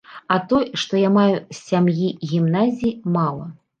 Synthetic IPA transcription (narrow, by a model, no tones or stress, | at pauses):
ɐt̪ɔjʂt̪ɔjamajusʲːamjiɣʲimnazʲiimalˠɐ